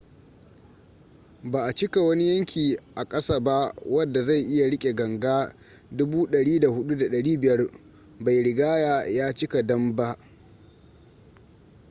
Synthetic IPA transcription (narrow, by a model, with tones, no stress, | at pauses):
baː˨ʔa˨t͡ʃɪ˦ka˨wɐ˦ni˦jɐ˦ŋkʲiː˨ʔa˨kʼɐ˦saː˦ba˦wɐ˦dːa˨za˦˨jʔɪ˦ja˨ɽɪ˦kʲʼe˨ɡɐ˨ŋɡaː˦ | dʊ˦buː˦ɗɐ˨ɽiː˦da˨hʊ˦ɗu˦da˨ɗɐ˨ɽiː˦bɪ˨jɐ˦r | ba˨jɽɪ˨ɡaː˦jaː˨jaː˦t͡ʃɪ˦ka˨dɐ˦mba˦ʔ